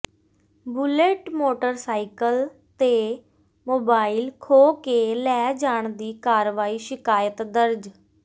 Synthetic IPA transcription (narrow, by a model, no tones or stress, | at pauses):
bʊleʈmoːʈəɾsaːikəl | t̪eː | moːbaːilkʰoːkeːlɛːd͡ʒaːɳd̪iːkaːɾʋaːiːʃɪkaːjət̪d̪əɾd͡ʒ